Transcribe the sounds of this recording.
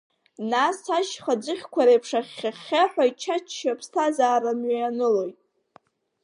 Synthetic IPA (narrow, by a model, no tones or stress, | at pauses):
nasaʃχad͡zɨχʲkʷaɾepʰʂaχʲːaχʲːaħʷᶣait͡ʃʰat͡ʃʰːapʰstʰazaːɾamɥaanɨlo̞jtʼ